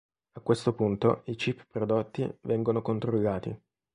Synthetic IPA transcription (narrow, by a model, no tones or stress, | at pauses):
akːwest̪opunt̪o̰it͡ʃippɾod̪ot̪ːḭvɛŋɡonokont̪ɾolːaːt̪ḭ